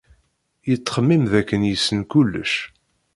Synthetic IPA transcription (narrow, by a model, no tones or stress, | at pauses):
jət͡sːχəmːimðækːənjəsːənkulːə̰ʃ